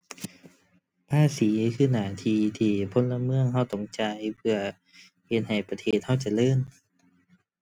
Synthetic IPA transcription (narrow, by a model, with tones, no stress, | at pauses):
pʰaː˧˥˨siː˨˩˦kʰɯː˧˩naː˧˩t̪ʰiː˧t̪ʰiː˧˩pʰo˧˥˨nla˧mɯ˧˥əŋɦa˧˩wt̪ɔ˧˩ŋt͡ɕa˧˩jpʰɯ˧˩ɐ | he˧˩t̪̚ha˨˩jpa˧t̪ʰeː˧˩t̪̚ha˧˥˩wt͡ɕa˧˩lɤː˧˥˨n